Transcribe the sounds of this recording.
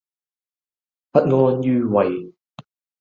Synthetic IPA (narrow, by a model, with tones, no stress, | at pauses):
pɐ˥t̚ŋɔː˧˥njyː˧wɐ˨j